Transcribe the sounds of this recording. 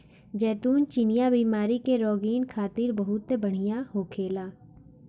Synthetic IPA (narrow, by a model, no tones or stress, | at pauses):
d͡ʒɛːt̪uːnt͡ʃinɪjabiːmaːɾikeɾɔːɡiːnkʰaːt̪ɪɾbɐɦʊt̪ːebɐɽ̤ijaɦoːkʰeːlaː